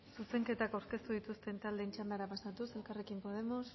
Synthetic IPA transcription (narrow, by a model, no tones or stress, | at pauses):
suse̞ŋke̞t̪akawɾke̞st̪uð̞it̪ust̪e̞nt̪ald̪e̞ːnt͡ʃand̪aɾapasat̪use̞lkare̞kimpo̞ð̞e̞mo̞s